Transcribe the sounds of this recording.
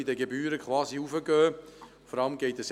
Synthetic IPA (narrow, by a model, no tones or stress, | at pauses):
idəɡebyːɾəkχʋɑːziufəɡœː | fɔɾɑləmɡɛɪtəs